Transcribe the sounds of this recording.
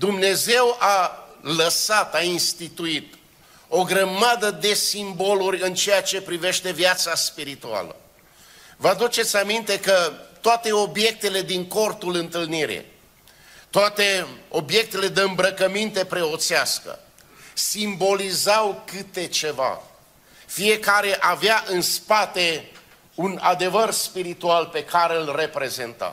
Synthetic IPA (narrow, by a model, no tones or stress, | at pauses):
d̪umne̞ze̞waləsat̪ainst̪it̪uit̪ | o̞ɡɾəmad̪əd̪e̞simbo̞luɾʲɨnt͡ʃejat͡ʃe̞pɾive̞ʃt̪e̞vjat̪saspiɾit̪ua̰lə̰ | vəad̪ut͡ʃe̞t̪sʲamint̪e̞kət̪oat̪e̞o̞bje̞k̚t̪e̞le̞d̪iŋko̞rt̪ulɨnt̪ɨlniɾḭ | t̪oat̪e̞o̞bje̞k̚t̪e̞le̞d̪eɨmbɾəkəmint̪e̞pɾe̞o̞t̪seaskə̰ | simbo̞lizawkɨt̪e̞t͡ʃe̞va̰ | fie̞kaɾe̞ʔaveaʔɨnspat̪e̞ | unad̪e̞vərspiɾit̪ualpe̞kaɾeɨlre̞pɾe̞ze̞nt̪a̰